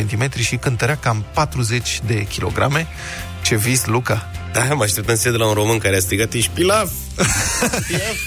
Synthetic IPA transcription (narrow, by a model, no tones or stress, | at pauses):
ent̪ime̞t̪ɾiʃikɨnt̪əɾeakampat̪ɾuze̞t͡ʃʲd̪e̞kʲʰilo̞̰ɡɾa̰me̞ | t͡ʃe̞vislukad̪̥amaʃt̪ept̪ənsied̪elaunɾo̞mɨnkaɾeast̪ɾiɡat̪iʃpilav | av